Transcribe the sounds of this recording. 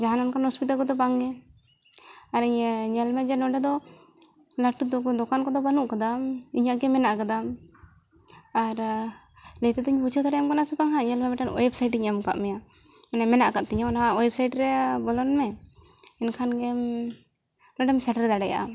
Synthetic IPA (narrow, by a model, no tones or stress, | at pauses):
d͡ʒaɦanɔnkanhɔspit̪alkɔd̪ɔbaŋɡɛ | aɾɲɲɛlmɛd͡ʒɛnɔɖɛd̪ɔ | laʈud̪ɔkankɔd̪ɔbanuʔkad̪amiɲaʔɡɛmɛnaʔkad̪am | aɾ | lɛt̪ɛd̪ɔiɲbut͡ʃʰəd̪aɽɛjamkanasɛpaŋɦaɲɛlmɛbɛʈanɔ̰jɛbsajʈɲɛmka̰ʔmɛja | nɛmɛnaʔkaʔ̚t̪ɛɲɔnaaɔjɛb̚sajɖɾɛbɔlɔnmɛ | ɛnkʰanɡɛ | lɔɖɛmsɛʈɾɛd̪aɽɛja̰ʔa̰